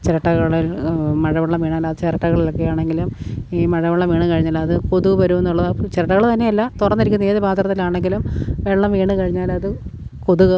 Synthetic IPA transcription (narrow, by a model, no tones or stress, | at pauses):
t͡ɕeɾɐʈːɐɣɐɭilmɐɻɐmɐɭːɐmʋiːɳaːlɐðɨt͡ɕeɾɐʈːɐɣɐɭilokːejaːɳe̞ŋɡilumiːmɐɻɐmɐɭːɐmʋiːɳɨkɐɻiɲːɐlːɐːðɨkoðuɣɨʋɐɾuʋenːuɭːɐðat͡ɕeɾɐʈːɐɣɐɭt̪ɐnːe̞jɐlːɐt̪urɐnːiɾikʲːunːɐeːðɨbʱaːt̪rɐt̪ːilaːɳeŋɡilumʋeɭːɐmʋiːɳɨkɐɻiɲːaːlɐðɨkoðuɣɐ